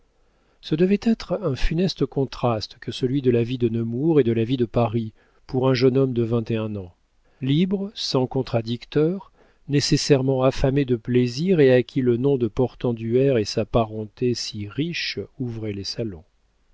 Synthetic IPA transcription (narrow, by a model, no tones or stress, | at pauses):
səd̪əvɛt̪ɛt̪χɛ̃fynɛst̪əkɔ̃t̪χast̪kʰəsəlɥid̪əlavid̪ənəmuʁed̪əlavid̪əpaʁi | puʁɛ̃ʒənɔmd̪əvɛ̃t̪eɛ̃nɑ̃ | libʁəsɑ̃kɔ̃t̪χad̪ikt̪œʁ | nesesɛʁmɑ̃afamed̪əpleziʁeakʲilənɔ̃d̪əpɔʁt̪ɑ̃d̪yɛʁesapaʁɑ̃t̪esiʁiʃuvʁɛlesalɔ̃